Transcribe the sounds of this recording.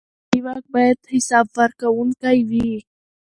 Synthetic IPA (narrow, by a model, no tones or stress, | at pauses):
iwak̚bajad̪hɪsɑːbfaɾkawuŋkajwi